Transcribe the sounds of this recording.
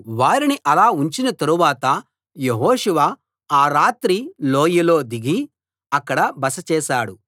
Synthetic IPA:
ʋaːɾiniʔɐlaːuɲt͡ʃinɐt̪ɐɾuʋaːt̪ɐ | jeɦoːʂuʋɐ | aːɾaːt̪ɾiloːjilo̞ːd̪iɡi | ɐkːɐɽɐbɐsɐt͡ʃɛːʃaːɽu

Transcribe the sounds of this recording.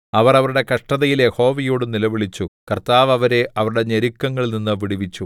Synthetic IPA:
ɐʋɐrɐʋɐɾuɽe̞kɐʂʈɐðɐjile̞ho̞ːʋijoːɽɨnilɐʋiɭit͡ɕːukɐrt̪aːʋɐʋɐɾe̞ʔɐʋɐɾuɽe̞ɲeɾikːɐŋːɐɭninːɨʋiɽiʋit͡ɕːu

